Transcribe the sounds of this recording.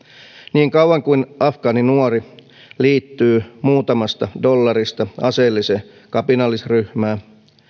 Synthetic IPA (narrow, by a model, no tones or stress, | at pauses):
niːŋkɑwwɑŋkuinʔɑfkɑːninuori | liːt̪ːyːmuːt̪ɑmɑst̪ɑdo̞lːɑɾist̪ɑɑselːise | kɑpinɑlisryhmæː